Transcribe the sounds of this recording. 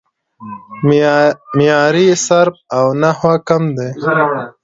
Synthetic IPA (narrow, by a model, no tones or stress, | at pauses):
mijɑːɾisaɾp̚awnahakamd̪e